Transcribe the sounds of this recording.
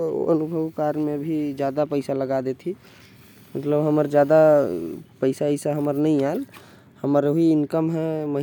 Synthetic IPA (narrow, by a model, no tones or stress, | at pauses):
ə̰nubʱəʋkaɾmebʱid͡ʒjaːd̪apəɪsaləɡad̪et̪ʰi | mət̪ləbɦəməɾd͡ʒjaːd̪a | pəɪsaisaɦəməɾnəɦĩal | həməɾɦiɪnkəmɦɛməɦ